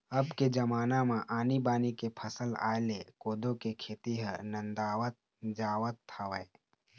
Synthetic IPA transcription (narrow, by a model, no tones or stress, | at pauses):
ɐbked͡ʒɐmaːnamãʔaːnibaːnikepʰəsəla̰ːlekoːd̪õkekʰeːt̪iɦənə̃nd̪aːwət̪̚ | d͡ʒaːwət̪ʰːaʋəe